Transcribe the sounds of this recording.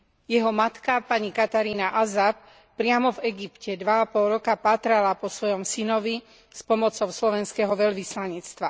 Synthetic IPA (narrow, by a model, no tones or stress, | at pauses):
jɛɦɔmat̪kapaɲikat̪aɾiːnaʔazap̚ | pːɾɪamɔvɛɡipcɛd̪ʋaːpɔlɾɔkapaːt̪ɾalapɔsʋɔjɔmsinɔʋi | spɔmɔt͡sɔʊslɔʋɛnskɛɦɔʋɛʎʋislaɲɛt͡st̪ʋa